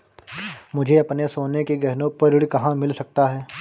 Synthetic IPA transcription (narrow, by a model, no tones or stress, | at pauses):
mʊd͡ʒʱeɐpnesoːnekeɡɛɦnõpɐɾɪɽkɐɦãmɪlsɐk̚t̪aɦɛː